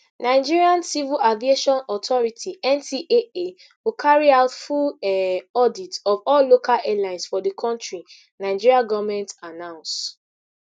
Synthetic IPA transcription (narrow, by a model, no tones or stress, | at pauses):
naɪd͡ʒiɹiãnsivilavieʃɔ̃nɔtʰɔɹitʰiɛ̃nsiʔee | wikʰaɹiaʊtfulɛɔditɔvɔllokʰalɛlãɪ̃nsfɔdəkʰɔ̃ntɹi | naɪd͡ʒiɹiaɡɔvmɛ̃ntanãʊ̃ns